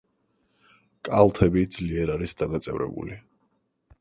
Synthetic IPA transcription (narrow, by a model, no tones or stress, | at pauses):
kʼalˠt̪ʰɛbid̪z̥liɛɾaɾisd̪̥anat̪sʼɛvɾɛ̰bṵli